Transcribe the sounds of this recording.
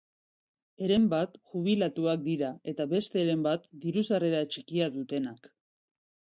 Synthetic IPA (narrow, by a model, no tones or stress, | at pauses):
e̞ɾe̞mbat̪ʝuβ̞ilat̪uak̚d̪iɾae̞t̪aβe̞st̪e̞ɾe̞mbat̪d̪iɾusareɾaet͡ʃikiaðut̪e̞nak